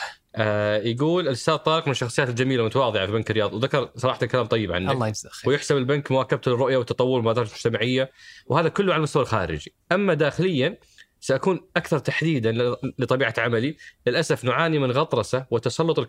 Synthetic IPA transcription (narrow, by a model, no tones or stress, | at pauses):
ʔaːjaɡuːlɪlɪsaːt̪ˤːɑːɾɪq̚mɪnɪʃːɑxsˤɨjaːt̪ɪld͡ʒamiːlamʊt̪awɑːðˤɨʕafibankɪɾːɪjɑːðˤiwðakɑɾˤsˤɑɾɑːħt̪alkalaːmt̪ˤɑjːɪbʕa̰nːalːwjɪħsabɪlbankmʊwaːkab̚t̪lɪrːʊʔjawɪt̪ːɑt̪ˤɑwːʊɾmaːd̪ɑːɾˤd͡ʒmʊd͡ʒt̪amaʕɪjːawhaːðakʊlːʊʕalalmʊst̪awalxa̰ːɾɪ̰d͡ʒi | ʔamːad̪aːxɪlɪjːa | saʔakuːnʔakθɑɾˤt̪aħd̪iːd̪anlɪt̪ˤɑbiːʕaʕamalilɪlʔasafnʊʕaːnimɪnɣɑt̪ˤɾˤɑsawɪt̪ːɑsˤɑlːʊt̪ˤɪl